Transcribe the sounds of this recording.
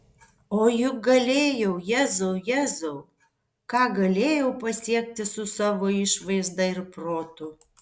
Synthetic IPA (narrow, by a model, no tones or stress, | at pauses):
oːjʊk̚ɡɐlʲeːjɛʊjæːzoʊjæːzoʊ | kɑːɡɐlʲeːjɛʊpɐsʲiɛk̚t̪ʲɪsʊsɑːʋoːɪʃʋɐɪzd̪ɐɪɾpɾoːt̪ʊ